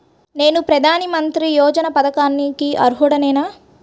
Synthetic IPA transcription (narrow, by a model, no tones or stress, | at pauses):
ne̞ːnupɾɐd̪ʱaːnɐmɐnt̪ɾijɔːd͡ʒɐnɐpɐd̪ɐkaːnːikiʔɐ̰ɾɦuɽɐnɛːnaː